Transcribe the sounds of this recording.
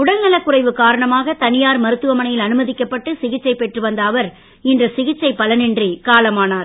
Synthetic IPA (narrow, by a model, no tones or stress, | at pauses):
ʊɽɐnnɐlɐkːʊrɐɪʋɯkaːɾɐɳɐmaːɣɐt̪ɐnɪjaːɾmɐɾɯt̪ːɯʋɐmɐɳɐjɪlɐnɯmɐðɪkːɐpːɐʈːɯsɪɣɪt͡ʃːɐɪpɛʈrɯʋɐnd̪aːʋɐɾ | ɪndrɐsɪɣɪt͡ʃːɐɪpːɐlɐnɪndrikaːlɐmaːnaːɾ